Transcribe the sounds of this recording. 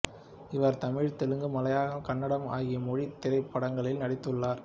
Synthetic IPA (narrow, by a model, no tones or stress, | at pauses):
ɪʋɐɾt̪ɐmɪɻt̪ɛɻɯŋɡɯmɐlɐjaːɣɐkɐɳːɐɽɐma̰ːɣɪjɐmɔɻit̪ːɪɾɐɪpːɐɽɐŋɡɐɭɪlnɐɽɪt̪ːɯɭːaːɾ